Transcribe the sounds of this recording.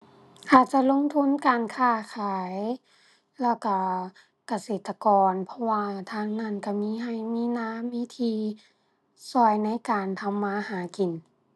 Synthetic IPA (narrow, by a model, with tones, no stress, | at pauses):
kʰaː˨˩t̪̚t͡ɕa˧˨lo˧˥˨ŋt̪ʰu˧˥˨nkaː˨nkʰaː˧˩kʰaː˨˦j | lɛː˧˩wka˧˩ | ka˧seː˨˩t̪ːa˧kɔː˨npʰɔ˧waː˧t̪ʰaː˧˥˨ŋna˧˥˨nka˧˩miː˧˥˨ɦa˧˩jmiː˧˥˨naː˧˥˨mːiː˧˥˨t̪ʰiː˧ | sɔː˧˩jna˧˥˨jkaː˨nt̪ʰa˧mːaː˧˥˨haː˨˦ki˨˩n